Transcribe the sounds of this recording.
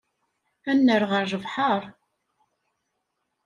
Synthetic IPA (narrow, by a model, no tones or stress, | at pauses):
ænːəɾʁəɾʒəvħəɾˤ